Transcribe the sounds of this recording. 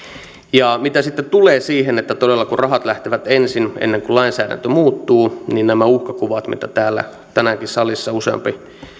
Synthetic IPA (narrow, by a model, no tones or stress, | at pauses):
jɑmit̪æsit̪ːet̪uleːsiːɦenet̪ːæt̪odelːɑkurɑɦɑt̪læht̪eʋæt̪ensinḛnːeŋkulɑinsæːdæ̰nt̪ømuːt̪ːuːniːnnæmæuhkɑkuʋɑt̪mḭt̪æt̪æːlːæ̰ | t̪ænæŋkissɑlisːɑuseɑ̰mpi